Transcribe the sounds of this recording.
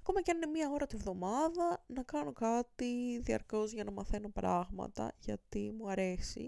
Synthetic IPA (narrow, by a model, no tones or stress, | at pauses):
ɐko̞mɐceɐnine̞miɐo̞ɾɐt̪ivðo̞mɐðɐnɐkɐno̞kɐt̪iðiɐ̰ɾko̞zʝɐnɐmɐθe̞no̞pɾɐɣmɐ̰t̪ɐ̰ʝɐt̪imuɐɾe̞sḭ